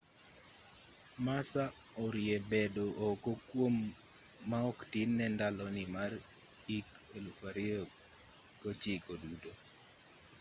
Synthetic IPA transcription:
masa | ɔɾjɛbedoʔokokwomː | aɔktinːɛndalɔnimar | ik | elufaɾɪɔ | kot͡ʃikoduto

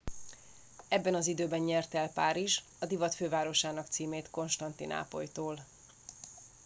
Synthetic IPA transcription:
ɛbːɛnɒzid̪øːbɛnɲɛrt̪ɛlpaːɾiʒ | ɒd̪ivɒt̪føːvaːɾo̞ʃaːnɒkt̪siːmeːt̪ko̞nʃt̪ɒnt̪ḭnʔa̰ːpo̞̰jt̪oːl

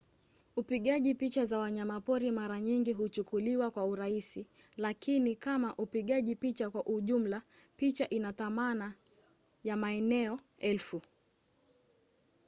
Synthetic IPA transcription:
upiɠaʄipit͡ʃazawaɲamapɔɾimaɾaɲiŋɡiɦut͡ʃukuliwakwauɾaisi | lakinikamaʔupiɠaʄipit͡ʃakwaʔuʄum̩la | pit͡ʃaʔinatamana | jamaɛnɛɔ | ɛlfu

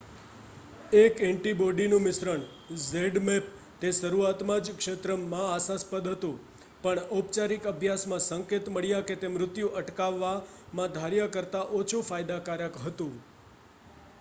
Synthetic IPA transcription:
ekɛ̃ɳʈiboɖinũmɪsɾəɳ | zeɖmep̚ | t̪eʃəɾuat̪mãd͡ʒkʂet̪ɾəmːãasaspəd̪ɦət̪ũ | pəɳop̚t͡ʃaɾikəbʱjasmãsəŋket̪məɭjaket̪emɾʊt̪juʔəʈkaʋːa | mãd̪ʱaɾjəkəɾt̪aʔot͡ʃʰofajd̪akaɾjəkɦət̪ũ

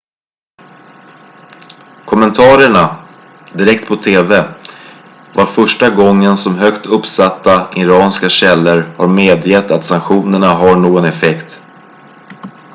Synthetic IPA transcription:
kʰɔmːɛnt̪ʰɑːɾəɳa | d̪ɪɾɛkt̪pʰɔt̪ʰeːvɛ | vaɾfœʂʈaɡɔŋːənsɔmɦœkt̪ʰɵpːsat̪ːaʔɪɾɑːnskaɕɛlːəɾhaɾmeːd̪jɛt̪ːat̪saŋkɧuːnəɳaɦaɳoːɡɔnɛfɛkt̪

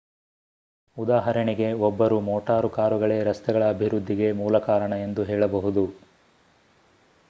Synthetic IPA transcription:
ud̪aːɦɐɾɐɳiɡe̞ɔbːɐɾumɔːʈaːɾukaːɾuɡɐɭeːɾɐst̪ɛɡɐɭɐːbʱiɾud̪ʱːiɡe̞muːlɐkaːɾɐɳɐe̞nd̪uɦɛːɭɐbɐɦud̪u

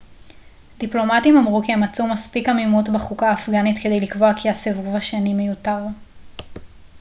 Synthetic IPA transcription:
d̪iplo̞matimamʁukiemat͡sumaspikamimutbeχukaːfɡanitke̞d̪e̞jlikvo̞akiasevuvaʃenime̞jutaʁ

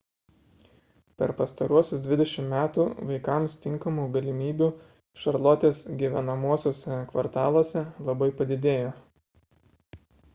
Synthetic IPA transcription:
pʲɛɾpɐst̪ɐɾuɔsʲʊsd̪ʲʋʲɪd̪ʲɛʃʲɪmmʲæːt̪uːʋɐɪkɐˑmst̪ʲɪŋkɐmuːɡɐlʲɪmʲiːbʲuːˑ | ʃɐɾlˠot̪ʲeːsɡʲiːʋʲɛnɐmuɔsʲoːsʲɛkʋɐɾt̪ɑːlˠoːsʲɛlˠɐbɐɪpɐd̪ʲɪd̪ʲeːjoː

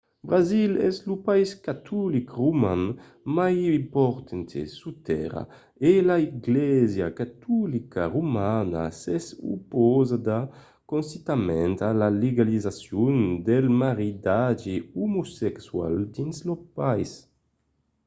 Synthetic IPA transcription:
bɾazilɛ̰zlupaiskat̪ʰulikʁuman | majimpɔɾt̪ent̪ḛsut̪ɛ̰ʁa̰ | elaiɡlɛzjakat̪ulikaʁumana̰sɛsṵpɔzad̪a | konsit̪amɛnt̪alaleɡalizasjund̪ɛlmaɾid̪ad͡ʒiumusɛkswa̰ld̪inslopajs

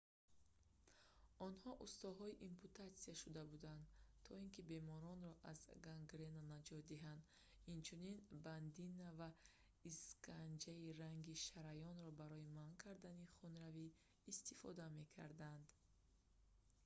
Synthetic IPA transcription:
ɔnhɔʔust̪ɔɦɔiʔimpʰut̪at̪siaʃud̪abud̪and̪t̪ʰɔinkibe̞mɔɾɔnɾɔʔazɡaŋɡɾenanad͡ʒɔt̪̚d̪iɦand̪ | int͡ʃʰuninband̪inːava | iskʰand͡ʒairaŋɡiʃaɾajɔnɾɔbaɾɔimankʰaɾd̪aniχunɾaviː | st̪ifɔ̰d̪ame̞kʰa̰ɾd̪and̪

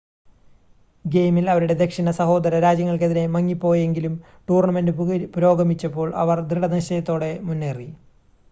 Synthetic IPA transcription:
ɡe̞jmilɐʋɐɾuɽe̞d̪e̞kʂinɐsɐho̞ːd̪ɐɾɐɾaːd͡ʑjɐŋːɐɭkeðine̞mɐŋːipːo̞ːje̞ŋɡilum | ʈuːrɳɐme̞ndɨpuɾo̞ːɡɐmit͡ɕːɐpːo̞ːɭʔɐ̰ʋɐrd̪iɽɐnɐɕɐjɐt̪ːo̞ːɽe̞munːeːri

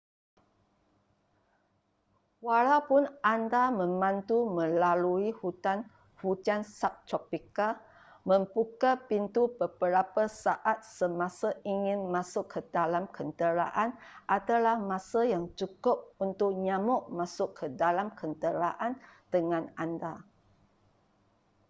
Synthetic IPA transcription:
walawpʊnʔandamə̃mãnt̪umə̃laluihut̪an | hud͡ʒansap̚t̪ɾɔpika | mə̃mbukapint̪ubəbəɾapasaʔat̪̚səmãsaʔiŋɪ̃nmasʊkʰːədalamkənt̪əɾa̰ʔanʔat̪alahmãsajaŋt͡ʃukʊp̚unt̪ʊk̚ɲãmʊʔmasʊkʰːədalamkʰənt̪əɾaʔand̪əŋãnanda

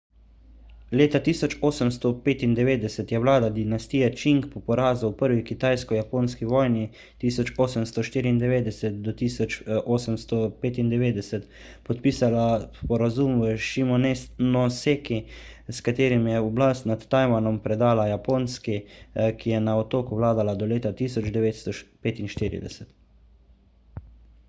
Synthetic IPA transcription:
leːt̪at̪iːsɔt͡ʃoːsəmst̪ɔpeːt̪ind̪ɛʋeːd̪ɛsɛt̪jɛʋlaːd̪ad̪inast̪iːjat͡ʃiŋkpɔpɔɾaːzuwpəɾʋikit̪ajskɔjapoːnskiʋɔːjni | t̪iːsɔt͡ʃoːsəmst̪ɔʃt̪iːɾiːnd̪ɛʋeːd̪ɛsɛt̪̚d̪ɔt̪iːsɔt͡ʃʔoːsəmst̪ɔpeːt̪ind̪ɛʋeːd̪ɛsɛt̪ | pɔt̪piːsalaspɔɾazumʋəʃimɔnenɔseːkiskat̪eːɾimjɛɔblaːst̪nat̪ːajmanɔmpɾɛd̪aːlajapoːnskikijɛnaɔt̪oːkuʋlaːd̪alad̪ɔleːt̪at̪iːsɔd͡ʒd̪ɛʋeːt̪st̪ɔpeːt̪inʃt̪iːɾḭd̪ɛ̰sɛt̪

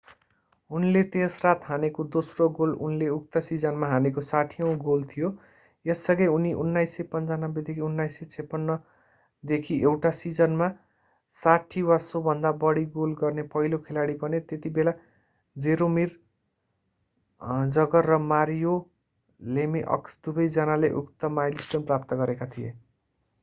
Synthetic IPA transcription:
unlet̪esrat̪ɦanekod̪osroɡolṵnleuk̚t̪ʌsid͡zʌnmaɦanekosaʈʰijʌ̃w̃ɡolt̪ʰijo | jesːʌɡʌjuniʔunːajsːʌpʌnt͡sanʌbːed̪ekʰiunːajsːʌt͡sʰepːʌnːʌ | d̪ekʰiʔewʈasid͡zʌnma | saʈʰiwasobʱʌnd̪abʌɽiɡolɡʌrnepʌɦilokʰelaɽipʌnet̪et̪ibela | d͡zeɾomir | d͡zʌɡʌrːʌmaɾjo | lemiʔʌ̰ksd̪ubʌjd͡zʌnaleʔukt̪ʌmajlisʈʌnprap̚t̪ʌɡʌɾekat̪ʰijḛ

